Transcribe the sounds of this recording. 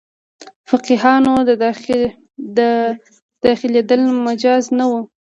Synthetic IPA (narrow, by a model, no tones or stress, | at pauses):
fɪqiɦɑno | d̪ə | d̪̥ɑxɪled̪əlmad͡ʒɑznawu